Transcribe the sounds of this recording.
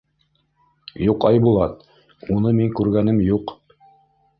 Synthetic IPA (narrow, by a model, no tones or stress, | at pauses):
juqɑjbulˠɑt̪ | unɤmiŋkʉɾɡænɘmjuq